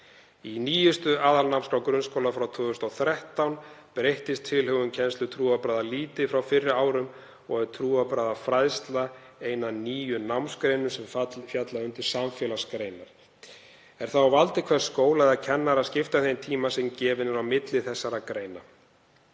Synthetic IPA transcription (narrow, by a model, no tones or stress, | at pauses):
iniːjʏst̪ʏaːðalnawmskɾawkɾʏnskowlafɾawt̪ʰʏːðʏst̪ɔθɾɛht̪awnpɾejht̪ɪst̪ʰːɪlhœɣʏmcʰɛnst̪lʏt̪ʰɾuːapɾaːðaliːt̪ɪfɾawfɪrːɪaːwɾʏm | ɔɣɛɾ̥t̪ʰɾuːapɾaːðafɾajðst̪la | eːjnaniːjʏnawmskɾejnʏsɛmfjat̪laʏnt̪ɪɾ̥samfjɛːlaskɾejnaɾ̥ | ɛɾ̥θavalt̪ɪkʰvɛr̥skoːwlaðɪaðcʰɛnːaɾascɪft̪aθejnt̪ʰiːmasɛmcɛːvɪnʏɾawmɪt̪lɪθɛsːaɾakɾeːjna